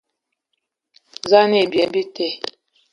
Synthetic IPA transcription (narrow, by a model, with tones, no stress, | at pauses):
za˦ne˨bjɛ˨mbi˦tɛ˦˨